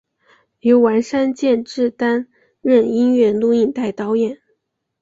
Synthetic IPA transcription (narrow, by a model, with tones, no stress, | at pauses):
ljo˧˥ʊwa˧˥nʂa˥nt͡ɕjɛ˥˧nʈ͡ʂɻ̩˥˩t̪a˥n | ɻə˥˩ni˥nɥɛ˥˩lu˥˧i˥˧nt̪a˥˩ɪt̪ɑ˥ʊjɛ˨˩˦n